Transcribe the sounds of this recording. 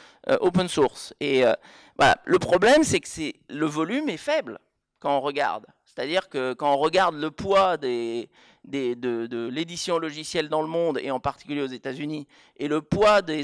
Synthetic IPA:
ø̰ʔopənsuʁseø | vwa̰la̰ləpχɔblɛmsɛksɛləvɔlymɛfɛbl | kɑ̃ɔ̃ʁəɡa̰ʁd̪ | se̥t̪ad̪iʁkəkɑ̃ɔ̃ʁəɡaʁd̪ləpwad̪e | d̪ed̪əd̪əled̪isjɔ̃lɔʒisjɛld̪ɑ̃ləmɔ̃d̪ḛɑ̃paʁt̪i̥kʲyljeozet̪azyni | eləpwad̪e

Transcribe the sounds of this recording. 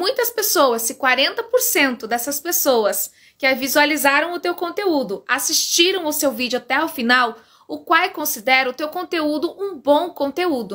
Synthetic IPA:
mũj̃t̪ɐspesowɐzɪkwaɾẽnt̪ɐpoɾsẽnt̪ʊd̪ɛsɐspesowɐs | kɪavizualizaɾɐ̃w̃ʊt̪ewkõnt̪eud̪ʊasist͡ʃiɾɐ̃w̃awsewvid͡ʒʊat̪ɛʊfinaw | ʊkwawkõsid̪ɛɾɐʊt̪ewkõnt̪eud̪ʊʔũbõw̃kõnt̪eud̪ʊ

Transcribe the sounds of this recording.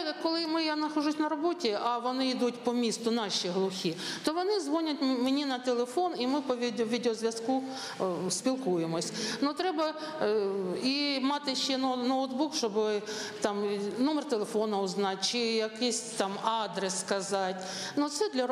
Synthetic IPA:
kɔlˠɪmɪjanɐxɔʐusʲnɐɾɔbotʲiʔɐʋɔnɪid̪utʲpɔmʲist̪ʊnɑʃiɦlˠʊxʲit̪ɔʋɔnɪzʋɔnʲʊtʲmenʲinɐt̪elˠefɔnimɪpɔʋʲid̪ʋʲid̪ɪɔzʋʲjɐsku | spʲilˠkujemɔsʲnut̪ɾɛbɐ | imɑt̪ɪʃːɛnnoʊt̪bukʃt͡ʃɔbɪt̪ɑmnɔmɛrt̪ɛlˠefonɐʊznɑt̚ʲt͡ʃɪjɐkɪsʲt̪ɑmɑd̪ɾɛsːkɐzɑtʲ | nut̪sɛd̪lʲɐ

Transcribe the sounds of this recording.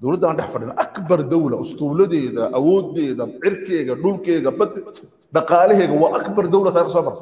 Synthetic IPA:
d̪ɔwlɐd̪ːaːnɖɛħfɐɖɪnɐʔɐkbɐrd̪ɐwlɐʔʊst̪ʰuːlɐðɛːðɐʔɐwɔːd̪ɛːðɐʕɪrkʰɛːɣɐɖʊlkɛːɣɐbɐ | ɖɑqɑːlɛɦɛːɣɐwɑːʔɐkbɐrd̪ɐwlɐt̪ʰaːɾɪɾkɐsɔːmɐɾɐ

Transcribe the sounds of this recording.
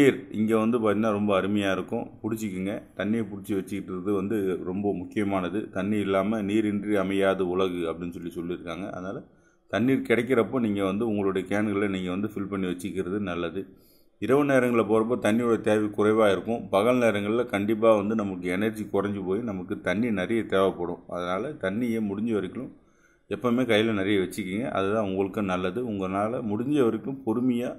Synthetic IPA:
iːɾɪ̰ŋɡeːʋɐnd̪ɯpaːɾt̪ːɪŋnaːɾɔmbɐːɾɯmɐjaːɪɾɯkːʊ̃pʊɽɪt͡ʃːɯkːɯŋɡɐt̪ɐɳːiːpʊɽɪt͡ʃːiʋɐt͡ʃːɯkːɪʈːɾɐðɯʋɐnd̪ɯɾɔmbɐmʊkːɪjɐmaːnɐðɯt̪ɐɳːiɪlːaːmɐniːɾɪndriɐmɐjaːðɐʊɭɐɣɯɐpːɐɽɪnːɯsɔlːisɔlːɪɾɯkːaːŋɡɐʔɐ̰ðɯnaːlɐ | t̪ɐɳːiːɾkɪɽɐk̬ːɪɾɐpːoːniːŋɡɐʋɐnd̪ɯʊŋɡɐɭɯɽɐjɐkeːnɡɐɭlɐniːŋɡɐʋɐnd̪ɯfɪlpɐɳːiʋɐt͡ʃːɯkːɪɾɐðɯnɐlːɐðɯ | ɪɾɐʋɯneːɾɐŋɡɐɭpoːɾɐp̬ːoːt̪ɐɳːɪjoɽɐjɐt̪eːʋikʊrɐɪʋaːɪɾɯkːʊ̃pɐɣɐɭneːɾɐŋɡɐɭlɐkɐɳɖɪp̬ːaːʋɐnd̪ɯnɐmɐk̬ːɯɛnɐɾd͡ʒikʊrɐɲd͡ʒɯpoːjinɐmɐkːɯt̪ɐɳːinɐɾɐjɐt̪eːʋɐpːɐɽʊ̰̃ɐ̰ðɐnaːlɐt̪ɐɳːɪjemʊɽɪɲd͡ʒɐʋɐɾɪkːɪlɯ̃m | ɛpːomeːkɐjːɪlɐnɐɾɪjɐʋɛt͡ʃːɯkːiːŋɡɐ̰ʔɐ̰ðɐt̪ãːʊŋɡɐɭɯkːɯnɐlːɐðɯʊŋɡɐnaːlɐmʊɽɪɲd͡ʒɐʋɐɾɪkːɪːɯ̃mpɔɾɯmɪjaː

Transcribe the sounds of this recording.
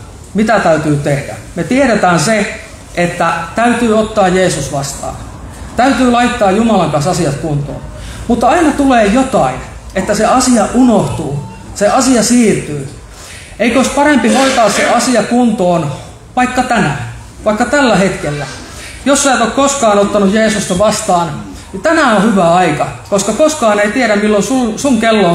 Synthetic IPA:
mit̪æt̪æyt̪yːt̪ehdæ̰met̪ieɾet̪æːnse | ʔet̪ːæt̪æyt̪yːot̪ːɑːjjeːsusʋɑst̪ɑ̰ːn | t̪æyt̪yːlɑit̪ːɑːjumɑlɑmpæˑstɑsiɑt̪kunt̪o̰ːn | mut̪ːɑinɑt̪uleːjot̪ɑin | et̪ːæseɑsiɑʔunoht̪uː | seʔɑsiɑsiːrt̪yː | eikoispɑɾempihoit̪ɑːsseʔɑsiɑkunt̪oːn | ʋɑikːɑt̪ænæ | ʋɑikːɑt̪ælːæhet̪kelːæ | josːæt̪okkoskɑːnot̪ːɑnujeːsust̪ɑʋɑst̪ɑːn | nit̪ænæohyʋæɑikɑkoskɑkoskɑːneit̪iæɾæmmilːonsusuŋkelːo

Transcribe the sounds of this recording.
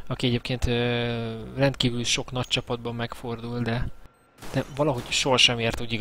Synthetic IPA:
ɒkiɛɟeːp̚keːnt̪ø | rɛnt̪kiːvylʃo̞kn̪ɒc̚t͡ʃɒpɒd̪bɒmːɛkfo̞rd̪uld̪ɛ | d̪̥ɛvɒlɒɦo̞ɟʃoɦɒʃɛmeːrt̪ud̪iɡ

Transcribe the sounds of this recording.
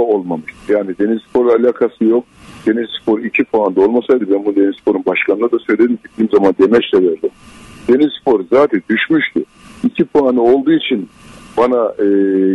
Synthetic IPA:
olˠmamɯʃt̪ʰɯɾjaːnid̪e̞nizspʰo̞ɾalʲaːkʰasɯjo̞k̚d̪̥e̞nizspʰo̞ɾicʰipʰuand̪o̞lˠmasajd̪ɯbɛnbund̪e̞nizspʰo̞ɾunbaʃkannad̪asø̞jlʲe̞d̪imɟiiiːmzamand̪e̞mɛt͡ʃlʲɛvɛɾlʲimd̪̥e̞nizspo̞ɾzaːt̪ʰɛnd̪yʃmyʃt̪ʰʊ | icʰipanio̞lˠd̪uːit͡ʃʰinbanaɯ

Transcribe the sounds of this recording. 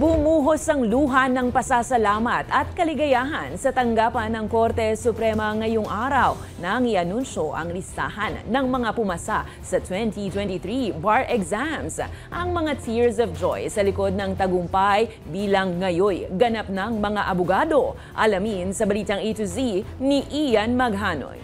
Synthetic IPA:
bʊmuːɦosɐŋluːɦɐnɐŋpɐsasɐlaːmɐt̪ɐt̪̚kɐlɪɡɐjaːɦɐnsɐt̪ɐŋɡaːpɐnːɐŋko̞ɾt̪ɛsʊpɾɛmɐŋɐjoŋʔaːɾɐw | nɐŋɪʔɐnunʃo̞ʔɐ̰ŋlɪst̪a̰ːhɐnːɐŋmɐŋapʊmɐsa | sɐt̪wɛnt̪it̪wɛnt̪iθɹibaɹʔɛkzamsʔɐŋmɐŋat̪ʰiɹs̬ɔvd͡ʒojsɐlɪko̞d̪̚nɐŋt̪ɐɡʊmpaj | biːlɐŋːɐjo̞jɡɐnap̚nɐŋmɐŋaʔɐbʊɡaːd̪o̞ | ʔɐlɐminsɐbɐliːt̪ɐŋʔit̪uziniʔijanmɐɡ̚ɦaːno̰j

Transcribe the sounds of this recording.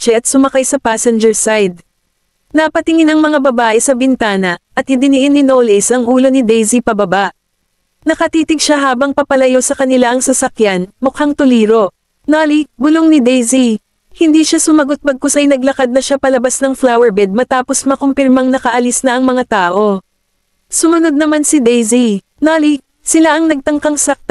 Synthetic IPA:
t͡ʃɛʔɐt̪̚sʊmɐkajsɐpaːsɛnd͡ʒɛɹsajd̪̚ | nɐpɐt̪ɪŋɪnɐŋmɐŋabɐbaːʔɛsɐbɪnt̪aːnɐʔɐt̪̚hɪd̪ɪnɪʔɪnːɪnowlɛsʔɐŋʔuːlo̞nɪd̪ɛjsipɐbɐbaʔ | nɐkɐt̪iːt̪ɪɡʃaɦaːbɐŋpɐpɐlɐjo̞sɐkɐnɪlaʔɐŋsɐsɐkjanmʊkhɐŋt̪ʊliːɾo̞ | naːliɡʊloŋnɪd̪ɛjzi | hɪnd̪iʃasʊmɐɡot̪̚bɐɡ̚kʊsʔɐjnɐɡlɐkad̪̚nɐʃapɐlɐbasnɐŋflawɛɹbɛd̪̚mɐt̪aːpo̞smɐkompɪɾmɐŋnɐkɐʔɐlisnɐʔɐŋmɐŋat̪aːʔo̞ | sʊmɐno̞d̪̚nɐmansɪd̪ɛjzi | naːli | sɪlaʔɐŋnɐɡ̚t̪ɐŋkɐŋsɐk̚t̪

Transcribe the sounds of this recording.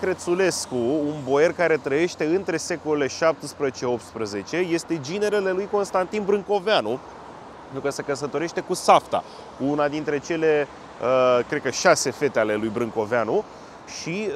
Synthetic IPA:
kɾe̞t̪sule̞skuːnbo̞je̞rkaɾe̞t̪ɾəje̞ʃt̪e̞ɨnt̪ɾe̞se̞ko̞lele̞ʃap̚t̪əspɾəzet͡ʃe̞o̞p̚t̪spɾəze̞t͡ʃe̞je̞st̪e̞d͡ʒine̞ɾele̞lujko̞nst̪ant̪inbɾɨŋko̞veanu | nukəsekəs̬ət̪o̞ɾeʃt̪e̞kusaft̪a̰ | unad̪int̪ɾe̞t͡ʃe̞le̞ | kɾed̪̚kəʃase̞fe̞t̪eale̞lujbɾɨŋko̞veanu | ʃi

